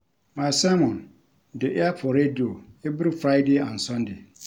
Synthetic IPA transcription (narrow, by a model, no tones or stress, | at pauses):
mãsamɔ̃n | dɪʔapʰɔɾedioebɪɾɪfɾaɪdeãn̩sɔ̃nde